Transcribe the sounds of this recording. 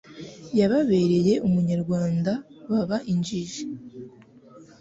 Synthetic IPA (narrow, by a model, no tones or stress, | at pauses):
jaβaβe̞ɾe̞je̞ʔumuɲaɾɡwaːndaβaβaʔiɲd͡ʒiʒe